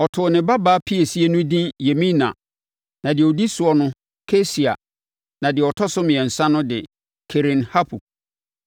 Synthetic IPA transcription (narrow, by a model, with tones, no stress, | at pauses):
ɔ˨tʰʊ˨nɪ̃˨ba˦baː˦pʰi˦e˨si˦e˦nʊ̃˦dĩ˦je˨mĩ˦nã̰˨ | nã˨dɪ˨ɛ˨ɔ˨di˦sʊ˨˦ɔ˦nʊ̃˦ | kʰe˦si˨a̰˨ | nã˨dɪ˨ɛ˨ɔ˨tʰɔ˦sʊ˦mɪ̃˨ɛ̃˨n̩˨sã˦nʊ̃˦dɪ˨ | kʰe˨ɾɪ̃˨nha˦pʰu˨